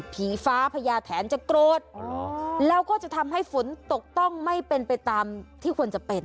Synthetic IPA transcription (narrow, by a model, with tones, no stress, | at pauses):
pʰiː˩˦faː˦˥pʰa˧jaː˧t̪ʰɛː˩˦nt͡ɕa˨˩kɾoː˨˩t̪̚ː | lɛː˦˥wkɔː˥˩t͡ɕa˨˩t̪ʰa˧mɦa˥˩jfu˩˦nt̪o˨˩k̚t̪ɔ˥˩ŋma˥˩jpe˧npa˧jt̪aː˧mt̪ʰiː˥˩kʰu˧ənt͡ɕa˨˩pe˧n